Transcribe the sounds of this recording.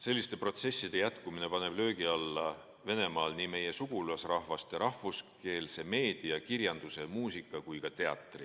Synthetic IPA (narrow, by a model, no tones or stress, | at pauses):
se̞lːist̪e̞pro̞t̪se̞sːid̪̥e̞jæt̪kumine̞pɑne̞b̥lø̞ːɡiɑlːɑ | ve̞ne̞mɑːlnime̞je̞suɡ̥ulɑsrɑhvɑst̪ˑeɾɑhvuske̞ːlse̞me̞ːd̪̥iɑkiɾjɑnd̪̥use̞muːsikːˑɑkujkɑt̪e̞ɑ̰t̪ːˑri